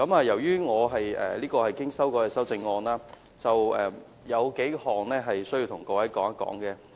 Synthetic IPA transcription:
kɐ˨˥maː˨˧jɐ˨˩wjyː˥ŋɔː˨˧ɦɐ˨jɛ̰ː˨liː˥kɔː˧hɐ˨jkɪ˥ŋsɐ˥wkɔː˧˥jɛ˨sɐ˥wt͡sɪ˧ŋːɔː˧naː˥ | t͡sɐ˨wɛ˨ | jɐ˨˧wke˨˥jhɔː˨ŋlɛː˥ɦɐ˨jsɵ˥ɥji˧wt̪ʰʊ˨˩ŋkɔː˧wɐ˨˥jkɔː˨˥ŋɐ˥kɔ̰ː˨˥ŋkɛː˧

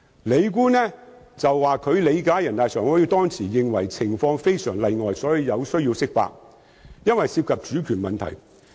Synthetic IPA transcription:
le˨˧jk̬uː˥nɛː˥ | t͡sɐ˨wːaː˨˩kʰɵ˨˧ɥle˨˧jkaː˨˥jɐ˨˩nt̪aː˨jsœː˨˩ŋhɔː˨˥jiː˧t̪ɔː˥ŋt͡sʰiː˨˩jɪ˨ŋwɐ˨˩jt͡sʰɪ˨˩ŋfɔː˧ŋfe˥jsœː˨˩ŋlɐ˨˧jŋɔː˨jsɔː˨˥ji˨˧wjɐ˨˧wsɵ˥ɥjiː˧wsɪ˥k̚pa̰ː˧k̚ | jɐ˥nwɐ˨jsiː˧p̚kʰɐ˨p̚t͡ʃyː˨˥kʰyː˨˩nmɐ˨nt̪ʰɐ̰˨˩j

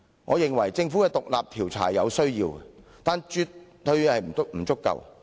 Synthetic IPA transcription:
ŋɔ̰ː˨˧jɪ˨ŋwɐ˨˩jt͡sɪ˧ŋfu˨˥kɛː˧t̪ʊ˨k̚la̰ː˨p̚t̪ʰiː˨˩wt͡sʰa̰ː˨˩jjɐ˨˧wsɵ˥ɥjiː˧wɛ˨t̪aː˨nt͡ʃyː˧t̪̚ | hɵ˧ɥhɐ˨jm̩˨˩˥k̚m̩˨˩t͡sʊ˥kːɐ̰˨w

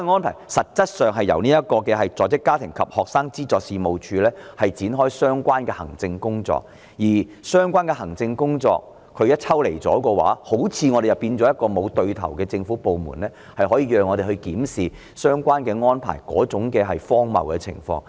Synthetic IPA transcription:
ŋɔː˥npʰaː˨˩jsɐ˨t̚t͡sɐ˥t̚sœː˨ŋɦɐ˨jjɐ̰˨˩wniː˥jɐ˥t̚kɔː˧kɛː˧ɦɐ˨jt͡sɔː˨jt͡sɪ˥kːaː˥t̪ʰɪ˨˩ŋkʰɐ˨p̚hɔː˨k̚saː˥ŋt͡siː˥t͡sɔː˨k̚siː˨˧mo˨wt͡ʃʰyː˨˧lɛː˥hɐ˨jt͡siː˨˥nɦɔː˥jsœː˥ŋkʷaː˥nkɛ˧hɐ̰˨˩ŋt͡sɪ˧ŋkʊ˥ŋt͡sɔ̰ː˧k̚ | jiː˨˩sœː˥ŋkʷwaː˥nkɛ˧hɐ˨˩ŋt͡sɪ˧ŋkʊ˥ŋt͡sɔ̰ː˧k̚ | kʰːɵ˨˧ɥjɐ˥t̚t͡sʰɐ˥wle˨˩jt͡sɔ̰ː˨˥kɔː˧wa̰ː˨˥ho˨˥wt͡sʰiː˧ŋɔː˨˧ɾe˨jɐ˨pːiː˧nt͡sɔː˨˥jɐ˥t̚kːɔː˧mo˨˧wt̪ɵ˧ɥt̪ʰɐ̰˨˩wkɛː˧t͡sɪ˧ŋfuː˨˥po˨wmṵ˨˩nlɛː˥ | hɐ˨jɦɔː˨˥jiː˧jœː˨˧ŋːɔː˨˧ɾe˨˩hɵ˧ɥkiː˨˥msiː˨ | sœː˥ŋkʷaː˥nkɛ˧ŋɔː˥npʰa̰ː˨˩jkɔ̰ː˨˥t͡sʊ˨˥ŋkɛː˧ɦɐ˨jfɔː˥ŋmɐ̰˨wkɛː˧t͡sʰɪ̰˨˩ŋfɔ̰ː˧ŋ

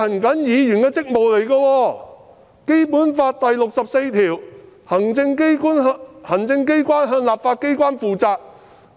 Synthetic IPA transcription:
ɐ˨˩nkɐ˨˥njiː˨˧jy˨˩nkɐː˧t͡sɪ˥k̚mo˨wle˨˩jkɐː˧wɔː˧ | ke˥jpuː˨˥nfaː˧t̚t̪ɐ˨jlʊ˨k̚sɐ˨p̚se˧jt̪ʰiː˨˩w | hɐ˨˩ŋt͡sɪ˧ŋkku˥nhɐ˨˩ŋt͡sɪ˧ŋke˥jkʷaː˥nɦœː˧nlaː˨p̚faː˧t̚ke˥jkʷaː˥nfuː˨t͡saː˧k̚

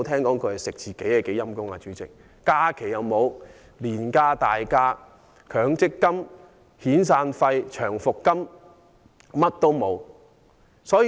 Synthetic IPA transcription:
t̪ʰɛː˥ŋkɔː˨˥ŋkʰɵ˨˧hɐ˨˩jsɪ˨k̚t͡siː˨ke˨˥jɛ˨˧ke˨˥jɐ˥mkʊ˥ŋa̰ː˧t͡ʃyː˨˥t͡sɪ̰˨k̚ː | aː˥kʰe˨˩jɐ˨˧wmo˨˧w | liː˨˩nkaː˧t̪aː˨jkaː˧ | kʰœː˨˥ŋt͡sɪ˥kːɐ˥m | hiː˨˥ns̬aː˧nfɐ˧jt͡ʃʰœː˨˩ŋfʊ˨kːɐ˥m | mɐ˥t̚t̪o˥wmo˨˧w | sɔː˨˥˨

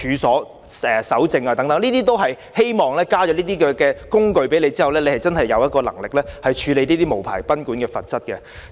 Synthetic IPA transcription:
yː˨˧sɔː˨˥ | ɛː˨˩sɐ˨˥wt͡sɪ˧ŋaː˧t̪ɐ˨˥ŋt̪ɐ˨˥ŋniː˥t̪iː˥t̪o˥wɦɐ˨j | he˥jmɔː˨ŋlɛː˥kaː˥t͡ʃɔ˨˧˥liː˥iː˥kɛː˧kɛː˧kʊ˥ŋkɵ˧ɥpe˨˥jle˨˧jt͡siː˥hɐ˨wlɛː˥le˨˧jhɐ˨˩jt͡sɐ˥nɦɐ˨jːɐ˨˧wjɐ˥t̚kɔː˧lɐ˨˩ŋlɪ˨k̚lɛː˥hɐ˨jt͡ʃʰyː˨˧le˨˧jniː˥t̪iː˥mo˨˩wpʰa̰ː˨˩jpɐ˥nkuː˨˥nkɛː˧fɐ˨t̚t͡sɐ˥t̚kɛ˧

